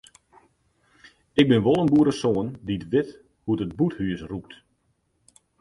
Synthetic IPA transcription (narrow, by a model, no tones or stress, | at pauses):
ɪkɡ̚bɪnʋolˠənbuəɾəsoənditʋɪt | huətət̚buthyəsruk̚t